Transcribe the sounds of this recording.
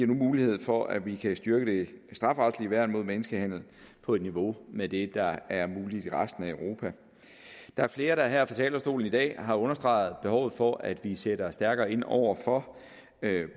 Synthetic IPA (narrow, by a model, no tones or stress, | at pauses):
iɐnumuːlihe̝ð̰ˠfɒ̽ʔæʋikʰæsd̥ɶɐɡ̥əd̥e̝sd̥ʁɑ̈fʁɑ̈d̥sliʋæɐ̰̥mo̝ð̞̰ˠmenəsɡ̥əhæn̰l̩ | pʰɒ̽e̝d̥niʋo̝med̥e̝d̥ɑ̈æɐmuːlid̥iʁasd̥n̩æøʊʁo̝pʰæ | d̥ɑ̈æɐfle̝ːɐɾ̥ɑ̈æɐɦæɐ̰fɒt͡sʰɛ̰ːlɐsd̥o̝̰ːln̩id̥ɛ̰ːɦɑ̈ɔ̽nɐsd̥ʁɑ̈ɪð̩ˠb̥e̝ɦɒʊð̞̩ˠfɒ̽ʔæd̥ʋiseɾ̥ɐsd̥æɐɡ̥ɐːe̝n̰ɒʊ̰ɐfɒ̽